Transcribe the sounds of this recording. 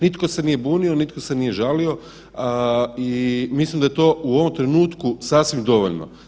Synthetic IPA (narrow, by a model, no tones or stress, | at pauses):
nit̪ko̞se̞nijebuːnio̞nit̪kose̞nije̞ʒalio̞ | imislimd̪ajet̪o̞uo̞ʋomt̪ɾe̞nuːt̪kusaːsʋimd̪o̞ʋo̰ʎno̰